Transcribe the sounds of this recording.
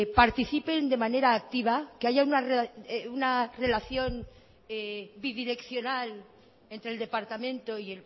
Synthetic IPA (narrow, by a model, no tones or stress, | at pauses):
paɾt̪iθipe̞nd̪e̞mane̞ɾaːk̚t̪iβ̞akeaʝaunareunare̞laθjo̞n | ebiðiɾe̞kθjo̞nal | e̞nt̪ɾeld̪e̞paɾt̪amẽ̞nt̪o̞iel